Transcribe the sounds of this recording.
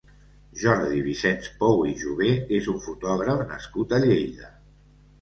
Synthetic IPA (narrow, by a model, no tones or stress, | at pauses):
ʒɔɾðiβisɛnspɔwiʒuβ̞eezuɱfut̪ɔɣ̞ɾəfnəskut̪əʎejʎə